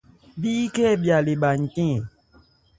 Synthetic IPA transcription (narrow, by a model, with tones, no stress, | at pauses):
biː˦kɛ˦˨bja˨le˨ɓa˨ŋ̩˨tɛ̃˦˨